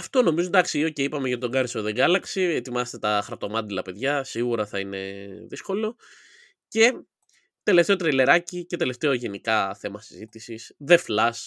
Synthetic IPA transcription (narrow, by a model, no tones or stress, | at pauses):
ɐft̪o̞no̞mizond̪ɐksioceipɐmeʝɐt̪it̪o̞ɡɐɾisoðe̞ŋɡɐlɐksiet̪imɐset̪et̪ɐxɾɐt̪o̞mɐnd̪ilɐpe̞ðʝɐsiɣuɾɐθɐine̞ðisko̞lo̞ | ce̞ | t̪e̞le̞ft̪e̞o̞t̪ɾejle̞ɾɐcice̞t̪e̞le̞ft̪e̞oʝe̞nikɐθe̞mɐsi̥zit̪isisðe̞flɐs